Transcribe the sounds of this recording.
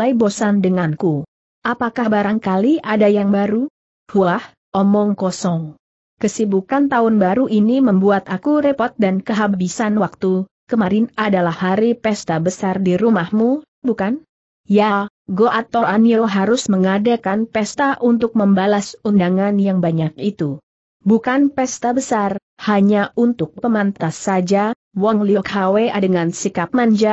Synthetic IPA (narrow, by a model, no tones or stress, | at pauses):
aijbosandəŋanku | ʔapakahbaɾaŋkaliʔadajaŋbaɾu | huah | ʔɔmɔŋkɔsɔŋ | kəsibukant̪aʊnbaɾuʔiniməmbuat̪akuɾepɔt̪̚dankəɦababisanwak̚t̪ukəmaɾɪnadalahːaɾipɛst̪abəsardiɾumahmu | bukan | ja | ɡoʔat̪oʔanioɦaɾʊsməŋadakanpɛst̪aʔunt̪ʊk̚məmbalasundaŋanjaŋbaɲak̚it̪u | bukanpɛst̪abəsar | haɲaunt̪ʊk̚pəmant̪asːad͡ʒa | wɔŋliɔkhaweʔadəŋansikap̚maɲd͡ʒa